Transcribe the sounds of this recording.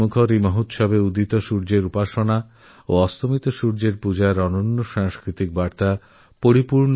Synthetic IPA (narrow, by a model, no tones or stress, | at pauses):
ukʰoɾimɔɦut̪ʃɔbeud̪it̪oʃuɾd͡ʑeɾupaʃona | oɔst̪ʰomit̪oʃuɾd͡ʑeɾpud͡ʑaeɾɔnonːoʃaŋskɾit̪ik̚baɾt̪a | poɾipuɾɳ